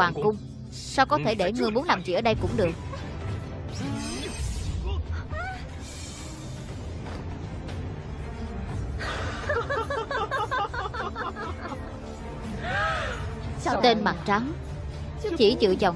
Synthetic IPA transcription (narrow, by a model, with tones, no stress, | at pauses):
aː˨˩ŋkʊ˧ŋ͡m | sa˧wkɔ˨˦t̪ʰe˧˩ɗe˧˩ŋɨ˨˩jmu˨˦ənlaː˨˩mt͡ɕḭ˧˨ʔəː˧˩ɗə˧jkʊ̰˧˥ŋ͡mɗɨ˨˩ək̚ | t̪e˧nɓa̰˨˩ŋt͡ɕa˨˦ŋ | t͡ɕi˧˩t͡ɕɨ̰˧˨t͡ɕə˨˩w